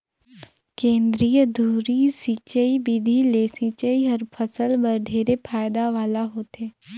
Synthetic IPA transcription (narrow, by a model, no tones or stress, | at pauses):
kẽːnd̪ɾijəd̪ʱuːɾisit͡ʃəibid̪ʱileːsĩt͡ʃəiɦəɾpʰəsəlbəɖʱeːɾepʰaːjd̪aʋaːlaɦoːt̪eː